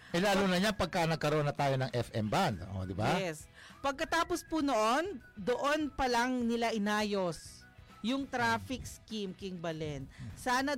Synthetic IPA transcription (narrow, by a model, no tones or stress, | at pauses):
ʔɛlaːluːnɐɲanpɐɡ̚kanɐɡ̚kɐɾoonːɐt̪aːjonɐŋʔɛfʔɛ̰mband̪ʔo̰d̪ɪbaɛs | pɐɡ̚kɐt̪aːpospunoʔo̞n | d̪oʔo̞npɐlɐŋnɪlaʔɪnaːjo̞s | jʊŋt̪ɾaːfɪk̚skimkɪŋbɐlɛnsaːnɐ